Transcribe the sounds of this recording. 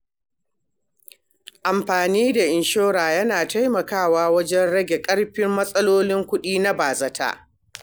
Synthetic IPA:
ʔa˨mɸaː˨niː˦da˨ʔɪ˨nʃoː˦ɾaː˨jɐ˦naː˨ta˦jmɐ˨kaː˦˨waː˦wɐ˦d͡ʒɛ˦nɽɐ˦ɡʲe˨kʼɐ˦ɽɸɪ˦mːɐ˦sʼɐ˦loː˦lɪ˦ŋkʷʊ˦ɗiː˦na˦baː˨zɐ˦tʰa̰ː˦

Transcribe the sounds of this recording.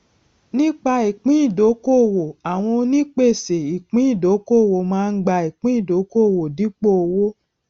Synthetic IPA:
nĩ˦k͡pa˧i˨k͡pĩ˦i˦˨do˨˦ko˦˨wo˨a˨w̃ɔ̃˧o˧nĩ˦k͡pe˦˨se˨i˨k͡pĩ˨˦i˦˨do˨˦ko˦˨wo˨mãː˦˧n̩˦ɡ͡ba˧˨i˨k͡pĩ˦i˦˨do˨˦ko˦˨wo˨di˨˦k͡po˦o˨˧wo˦

